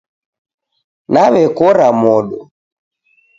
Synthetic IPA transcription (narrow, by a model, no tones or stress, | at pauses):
naβɛkɔɾamɔɗɔ